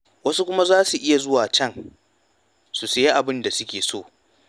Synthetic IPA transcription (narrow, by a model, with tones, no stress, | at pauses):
wɐ˦su˦kʷʊ˦ma˦zaː˦su˨ʔɪ˦ja˨zʊ˦waː˨t͡ʃɛ˦˨ŋ | su˨se˨je˦ʔa˨bɪ˦nda˨sʊ˦kʲeː˨soː˦˨